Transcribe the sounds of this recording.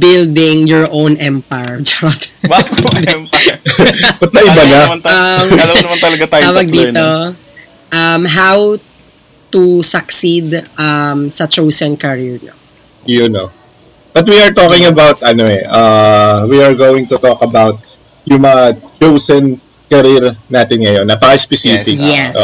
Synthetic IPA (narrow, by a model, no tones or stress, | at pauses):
bɪld̪ɪŋjɔɹʔõwnʔɛmpajɹd͡ʒɛɾɐt̪bɛmp | bɐt̪̚lɐʔɪbanɐmnɐɐlɐwɐnɐmɐnt̪ɐlɐɡat̪aabɐɡ̚d̪iːt̪o | ʔɐmɦaw | t̪usɐksid̪ʔɐmsɐt͡ʃowsɛnkɐɹiɹɲo̰ | jʊno | bɐt̪̚wiɐɹt̪oːkɪŋɐbawt̪̚ʔɐnoɛʔɐwiɐɹɡowɪŋt̪ʊt̪oːkɐbawt̪̚ | jʊŋmɐŋat͡ʃowsɛn | kɐɾiɾnaːt̪ɪnŋɐjo̞nːɐp̪aspɛsiːfɪkɛ